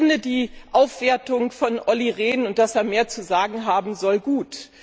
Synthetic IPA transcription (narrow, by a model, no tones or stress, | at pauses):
nədiːʔaʊfv̥eːɐtʊŋfɔnʔɔliʁeːnʊnt̚d̥aseːɐmeːɐt͡suzaːɡŋ̩ɦaːbm̩zɔlɡuːt